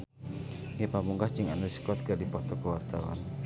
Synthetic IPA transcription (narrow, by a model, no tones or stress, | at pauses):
ŋepamuŋɡaht͡ʃiŋanəsi̥kɔt̪̚kadipɔt̪ɔkəwart̪awa̰n